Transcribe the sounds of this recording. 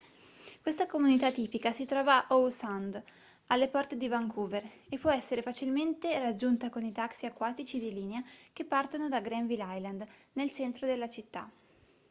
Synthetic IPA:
kwest̪akomunit̪at̪ːiːpikasit̪ɾɔːvaʔowsand̪ | alːepɔrt̪ed̪ivaŋkʰuːver | epːwɔɛsːeɾefat͡ʃilment̪erad͡ʒːunt̪akonit̪aksiakːwaːt̪it͡ʃid̪iliːneak̟epːart̪onod̪aɡɾɛɱvilajland̪nelt͡ʃɛnt̪ɾod̪elːat͡ʃit̪ːa̰

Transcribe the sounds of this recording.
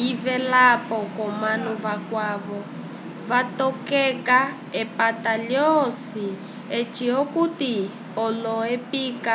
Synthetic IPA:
ivɛlapɔkɔmanuβakwaːβɔ | βatɔkɛka | ɛpataljɔsi | et͡ʃiɔkuti | ɔlɔepiːka

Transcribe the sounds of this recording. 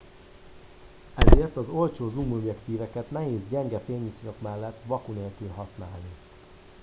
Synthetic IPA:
ɛzeːrt̪ɒzo̞lt͡ʃoːzumobjɛkt̪iːvɛkɛt̪nɛɦeːzɟɛŋɡɛfeːɲisɾokmɛlːɛt̪ːʋɒkuneːlkylɦɒsnaːlni

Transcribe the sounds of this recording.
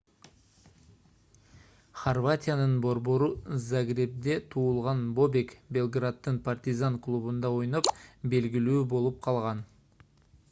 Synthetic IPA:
χorvat̪ʲɪjanɯnbo̞ɾbo̞ɾuzaɡrʲep̚d̪e̞t̪ʰuːlˠʁɑnbo̞bʲe̞kbʲe̞lˠɡrat̪ːɯnpart̪ʲizanklˠuβund̪ɑo̞jnopbe̞lɡilyːbo̞lˠup̚qʰɑlˠʁɑn

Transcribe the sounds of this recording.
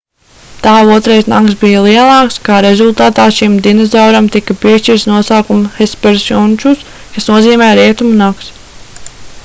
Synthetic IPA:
t̪aːuɔt̪ɾɛjznaksbijɐlˠiɛlˠɑːkskaːɾezulˠt̪aːt̪aːʃimd̪inɛzawɾamt̪ikɐpiɛʃt͡ʃiɾt̪snuɔsaːkumxespɛɾsjunʲt͡ʃus | kasnuɔziːmɛːɾiɛt̪umunaks

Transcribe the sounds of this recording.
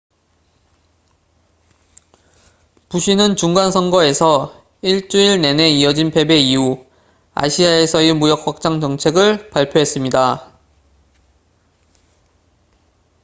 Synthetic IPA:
puɕʰinɯnt͡ɕuŋɡansʰʌnɡʌe̞sʰʌ | iɭt͡ɕ͈uiɭne̞ne̞iʌd͡ʑinpʰe̞be̞iu | a̰ɕʰiae̞sʰʌimujʌk̚ɸak̚t͡ɕ͈aŋd͡ʑʌŋt͡ɕʰe̞ɡɯɭpaɭpʰjoɦe̞s͈ɯmɲida

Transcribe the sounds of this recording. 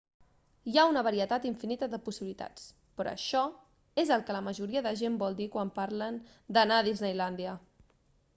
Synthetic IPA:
jaunəβəɾiət̪at̪iɱfinit̪əðəpusiβilit̪a̰t͡s | pɾɔ̰əʃɔ | ezəlˠkələməʒuɾiəðəʒembɔlˠd̪ikwampaɾlən | d̪ənaðiznəjland̪iə

